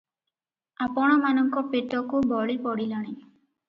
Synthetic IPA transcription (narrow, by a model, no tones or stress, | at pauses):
apɔɽ̃ɔmanɔŋkɔpetɔkubɔɭipɔɽilaɽ̃i